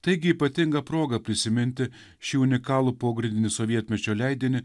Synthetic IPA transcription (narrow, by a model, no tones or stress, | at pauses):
t̪ɐɪɡʲɪiːpɐt̪ʲɪŋɡɐpɾoːɡɐpʲɾʲɪsʲɪmʲɪnʲt̪ʲɪ | ʃʲiʊnʲɪkɑːlˠuːpoːɡɾʲɪnd̪ʲɪnʲɪsoʋʲiɛt̪ʲmʲɛt͡ʃʲoːlʲɛɪd̪ʲiːnʲɪ